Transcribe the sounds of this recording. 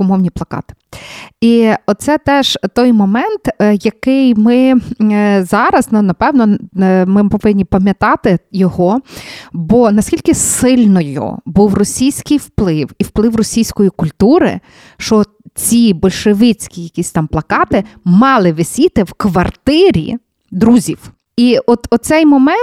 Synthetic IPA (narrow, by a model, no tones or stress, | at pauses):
kɔmɔwnʲiplˠɐkɑ̰t̪ɪ̥iɔt̪̚sɛt̪ɛʒ̥t̪ɔjmɔmɛnt̪jɐkɪjmɪ | zɑɾɐznnɐpɛwnɔmɪpɔʋɪnʲːipɐmʲjɐt̪ɑt̪ɪjɔɦɔ | bɔnɐsʲkʲilʲkɪsɪlʲnɔjʊ̰buwrɔsʲijsʲkɪjwplˠɪwiwplˠɪwrɔsʲijsʲkɔjikʊlʲt̪uɾɪ̰ | ʃt͡ʃɔ | t͡sʲibɔlʲʃeʋɪt͡sʲkʲijɐkʲisʲt̪ɑmplˠɐkɑt̪ɪmɑlˠɪʋɪsʲit̪ɪwkʋɐrt̪ɪɾʲḭ | d̪ɾuzʲiw | iɔt̪ɔsɛjmɔmɛ